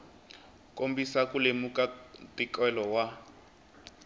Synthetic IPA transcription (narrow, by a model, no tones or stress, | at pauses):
kombisakulemukatikɛlɔwa